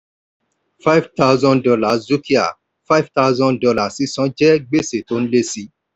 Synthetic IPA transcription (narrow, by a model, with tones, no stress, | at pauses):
fa˦jvta˦wzɔ̃˦dɔ˧la˨zu˦ki˦a̰˨ | fa˦jvta˦wzɔ̃˦dɔ˧la˨si˦sɔ̃˦d͡ʒɛ˦ɡ͡be˦se˨to˦ñ̩˦le˦si˦